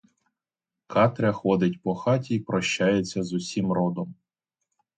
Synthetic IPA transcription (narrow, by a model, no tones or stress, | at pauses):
kɑt̪ɾʲɐxɔd̪ɪtʲpɔxɑtʲiːpɾɔʃt͡ʃajet͡sʲːɐzʊsʲimɾɔd̪ɔm